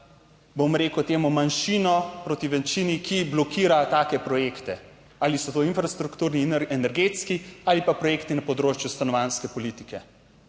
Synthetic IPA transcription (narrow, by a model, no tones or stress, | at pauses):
bomɾeːkəwt̪eːmumanʃinɔpɾot̪iʋɛnt͡ʃinikʰiblɔkiːɾat̪aːkɛpɾɔjeːkt̪ɛ | aːlisɔt̪oːinfɾast̪ɾukt̪uːɾniɛnɛɾɡeːt̪skiaːlipapɾɔjeːkt̪inɐpɔd̪ɾoːt͡ʃjust̪anɔʋaːnskɛpɔliːt̪i̥kɛ